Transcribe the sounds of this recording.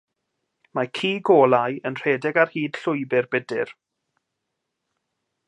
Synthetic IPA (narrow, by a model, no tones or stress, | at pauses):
makʰiːɡoːlˠajənr̥eːdɛɡarhiːd̥ɬʊɨbɪrbɛdɪr